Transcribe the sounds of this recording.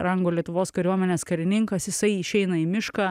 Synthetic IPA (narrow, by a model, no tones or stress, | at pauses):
ɾɐŋɡoːlʲiɛt̪ʊʋoːskɐɾʲuɔmʲɛnʲeːskɐɾʲɪnʲɪŋkɐsjɪsɐɪɪʃʲɛɪnɐimʲɪʃkɑː